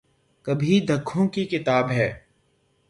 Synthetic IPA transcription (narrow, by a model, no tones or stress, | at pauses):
kɐbʱid̪ʱəkʰːõːkikɪt̪aːbɦɛː